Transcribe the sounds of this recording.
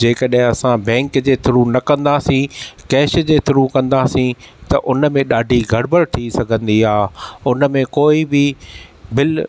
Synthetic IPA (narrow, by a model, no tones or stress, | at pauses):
d͡ʑeːkəɗɦɪ̃ɐsãbɛ̃ːŋkd͡ʑeːt̪ʰɪɾunɐkɐ̃nd̪asĩkɛːʃd͡ʑeːt̪ʰɪɾũkɐ̃nd̪asĩt̪ɐʔʊnəmẽɗaːɖʱiɡʱɐɽbəɾt̪ʰisɐɡʱə̃nd̪iaːʊnə̆mẽkoːibɪbɪl